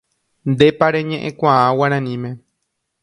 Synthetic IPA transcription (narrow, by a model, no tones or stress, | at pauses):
nd̪epaɾeɲẽʔẽkʷããwaɾãnĩmẽ